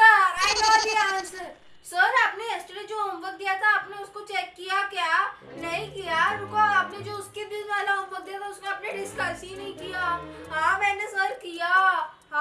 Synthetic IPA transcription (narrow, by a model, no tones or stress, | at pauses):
aɛɖɔːd̪ijasəɾ | səɾaːpneesʈɾid͡ʒoːɦõːmbək̚d̪ijat̪ʰaːpneʊskot͡ʃɛːkːijakja | nɐɦĩkijaʊkoaːpned͡ʒoːʊskebizʋaːlaɦõːmbək̚d̪ijat̪ʰaʊsneɐpneɖɪskəsĩnɐɦĩkijaɦãːmɛ̃ːnesəɾkija | ɦãː